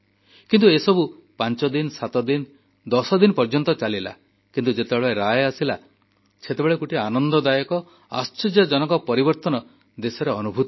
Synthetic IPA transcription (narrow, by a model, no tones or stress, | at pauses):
kint̪uesɔbupant͡ʃɔd̪insat̪ɔd̪in | d̪ɔsɔd̪inpɔɾd͡ʒɔnt̪ɔt͡ʃalila̰ | kint̪ud͡ʒet̪ebeɭeɾajasila̰ | set̪ebeɭekuʈianɔnd̪ɔd̪ajɔkɔ | a̰st͡ʃɔɾjɔd͡ʒɔnɔŋkɔpɔɾibɔɾt̪ɔnɔ | d̪esɔɾeɔnubʱut̪